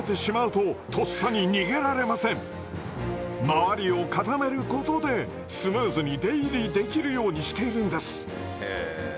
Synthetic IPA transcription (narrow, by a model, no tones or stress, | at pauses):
et̪e̞ɕimaɯ̟t̪o̞t̪o̞ssaɲ̟iɲʲiɡe̞ɾaɾe̞masẽ̞ɴ | maβaɾʲio̞kat̪ame̞ɾɯ̟ko̞t̪o̞d̪e̞ | sɨmɯːzɨɲ̟id̪e̞iɾʲid̪e̞kʲiɾɯ̟jo̞ːɲ̟iɕi̥t̪e̞iɾɯ̟̃nd̪e̞sɨ̥